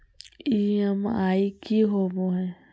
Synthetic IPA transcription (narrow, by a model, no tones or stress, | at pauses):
iːəmaːikiɦoːboɦɛ̃ː